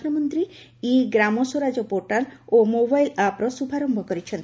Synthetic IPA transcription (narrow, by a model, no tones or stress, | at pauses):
ɾɔmɔnt̪ɾiiɡɾamɔsoɾad͡ʒɔpoɾʈalomobajlapɾɔsubʱaɾɔmbʱɔkɔɾit͡ʃʰent̪